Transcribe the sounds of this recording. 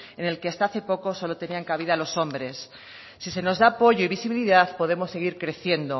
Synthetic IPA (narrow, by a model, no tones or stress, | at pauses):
ene̞lkeast̪aaθe̞po̞ko̞so̞lo̞t̪e̞niaŋkaβ̞iðalo̞so̞mbɾe̞sː | ise̞no̞zðaːpo̞ʝoiβisiβiliðaθpo̞ðe̞mo̞sːe̞ɣ̞iɾkɾe̞θje̞nd̪o̞